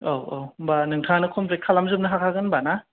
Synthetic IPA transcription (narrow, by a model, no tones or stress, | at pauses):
owobanɯŋtʰanɯkʰompɾekʰalamzɯp̚nɐɦakʰaɡɯnbana